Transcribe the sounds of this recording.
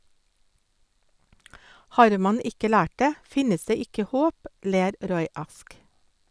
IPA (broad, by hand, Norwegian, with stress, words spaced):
ˈhɑːɾ ˈmɑn ˈɪkə ˈlæːʈ ˈdeː ˈfɪnəs ˈdeː ˈɪkə ˈhoːp ˈleːɾ ˈɾɔʏ ˈɑsk